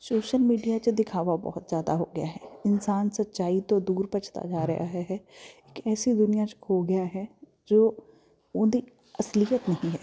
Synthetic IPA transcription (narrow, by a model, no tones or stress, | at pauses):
soːʃəlmiːɖijat͡ʃd̪ɪkʰaːʋabɔ̰ːʊt̪zjaːd̪aɦoːɡɪjaːɦɛːɪnsaːnsət̪ːt͡ʃaːit̪õd̪uːɾpət͡ʃt̪a̰d͡ʒaːɾɐ̰ja̰ɦɛɦɛɪkɛːsid̪ʊnijat͡ʃhoːɡɪjaɦɛ | d͡ʒoː | ʊ̃d̪iː | ɐslijət̪nəɦĩɦɛː